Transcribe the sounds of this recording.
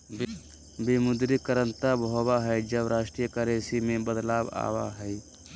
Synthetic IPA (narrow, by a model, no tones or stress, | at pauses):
bimʊd̪ɾikəɾə̃nt̪abɦobaɦɛjd͡ʒəbɾaːʃʈɾijəkəɾeːsimẽbəd̪laːba̰ːwa̰ɦɛɛ